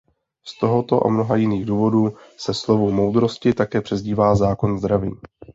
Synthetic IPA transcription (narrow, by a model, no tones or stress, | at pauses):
st̪o̞ɦo̞t̪o̞ʔa̰mno̞ɦajɪniːɣduːvo̞duːsɛslo̞vumo̞wd̪ɾo̞scɪt̪akɛːpr̝̥ɛzɟiːvaːzaːko̞nzd̪ɾavḭː